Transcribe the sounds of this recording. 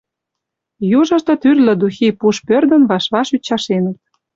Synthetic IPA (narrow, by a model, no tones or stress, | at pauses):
juʒɤ̆ʃt̪ɤ̆t̪yrlɘ̆d̪uxipuʃpørd̪ə̆nβɑʃβɑʃyt͡ɕːɑʃenə̆t̪̚